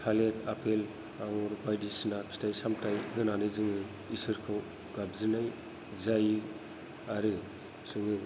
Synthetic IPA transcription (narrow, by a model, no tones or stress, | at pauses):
kʰaletapʰel | aŋɔɾbajdisnakʰstʰajsamtajɡɯnanɯjzɯŋɯ | isɯɾkʰaw | ɡabzɯnaj | zaj | aɾɯ | sɯŋɯ